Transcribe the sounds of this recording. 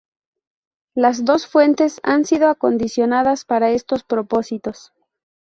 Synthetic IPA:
lazðo̞sfwe̞nt̪e̞sa̰nsiðo̞ako̞nd̪isjo̞naðaspaɾae̞st̪o̞spɾo̞po̞sit̪o̞s

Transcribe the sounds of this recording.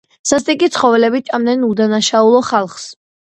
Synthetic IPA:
sast̪ʼikʼit̪sʰχɔvɛlɛbit͡ʃʼamdnɛnud̪anaʃaulˠɔχalˠχs

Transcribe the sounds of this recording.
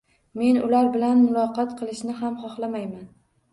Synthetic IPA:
me̞nʊlaɾbɪlanmʊlˠɒqɑt̪qʰɨlˠɪʃnɪɦamχɒχlˠamajman

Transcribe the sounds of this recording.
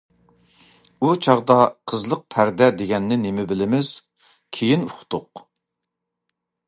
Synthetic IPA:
ut͡ʃʰɑʁd̪ɑqʰəzlˠəq̚pʰæɾd̪ɛd̪eɡʲɛnːɪnɪmɪbɪlɪmɪz̥ | kʲʰejinuχt̪ʰʊq

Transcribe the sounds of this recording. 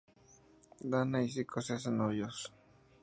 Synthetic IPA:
d̪anais̬ikʰoses̬enojos

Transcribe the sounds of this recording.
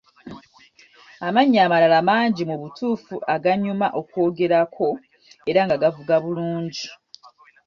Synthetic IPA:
amaɲːaːmalalamaːɲɟimuβutuːfuʔaɡaɲumaʔo̞kwo̞ːɡe̞ɾakʰo̞ | e̞ɾaŋɡaɡavuɡaβuluːɲɟi

